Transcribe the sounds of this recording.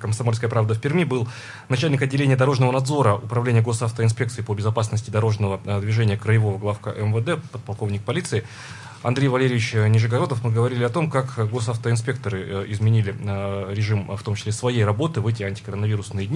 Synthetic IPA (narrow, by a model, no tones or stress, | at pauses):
kəmsɐmo̞lʲskəjəpɾavd̪əfʲpʲɪrmʲibɨlˠ | nɐt͡ɕælʲnʲɪkɐdʲːɪlʲenʲɪəd̪ɐɾo̞ʐnəvənɐd̪zo̞ɾəʊpɾɐvlʲenʲɪjəɡo̞saft̪əɪns̬pʲe̞k̚t̪sɨɪpəbʲɪzɐpasnəsʲtʲɪd̪ɐɾo̞ʐnəvəd̪vʲɪʐenʲɪjəkɾəjɪvo̞vəɡlˠafka̰ʔɛmvəd̪ɛpət̪̚pɐlˠko̞vnʲɪk̚pɐlʲit̪sɨɪ | ɐ̰nd̪ɾʲejvɐlʲeɾʲɪvʲɪt͡ɕnʲɪʐɨɡɐɾo̞d̪əfmɨɡəvɐɾʲilʲɪɐt̪o̞mkakɡo̞saft̪əɪns̬pʲe̞k̚t̪əɾɨɪzmʲɪnʲilʲɪɾʲɪʐɨmft̪o̞mt͡ɕɪ̥sʲlʲesvɐjejrɐbo̞t̪ɨvɛtʲɪɐnʲtʲɪ̥kəɾənɐviɾʊsnɨjədʲnʲ